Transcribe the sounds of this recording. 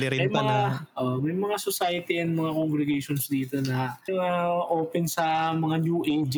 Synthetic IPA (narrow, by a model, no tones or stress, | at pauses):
ɾimɐjmɐŋaʔomɐjmɐŋasosajɐt̪iɐnmɐŋakoŋɡɾɛɡejʃonsd̪iːt̪o̞nɐʔaʔoːpɛnsɐmɐŋanjuːʔejd͡ʒ